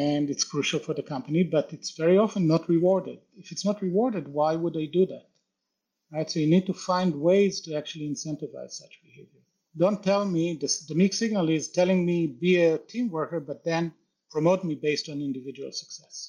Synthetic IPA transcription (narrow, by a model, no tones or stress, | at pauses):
ɛ̃nɨtskʰɹ̥uʃəl̩ˠfɔ˞ðɨkʰʌ̃mpənibʌtɨtsvɛɹiɑfə̃nːətʰɹɨwɔɹdɨ̰d̥̚ɪfɨtsnət̚ɹɨwɔɹdɨd̚waɪwədeɪduðæt̚ | ɹaɪtsoʊjɨnid̚tufãɪ̃nd̚weɪz̥tɨæk̚t͡ʃʉl̩ˠiɨ̃nsɛ̃ntɨva̰ɪz̥sʌt͡ʃb̥ɨheɪvjə˞ | dõʊ̃ntʰːɛlˠmiðɨðəmiksɪɡ̚nəlˠɪztʰɛlˠɪ̃ŋmibiɨtʰĩmwɜ˞kə˞bʌt̪̚ðɨ̃n | pʰɹ̥ɔmoʊt̚mibeɪstn̩ɪ̃ndɨvɪd͡ʒuə̰l̩ˠsə̥ksɛs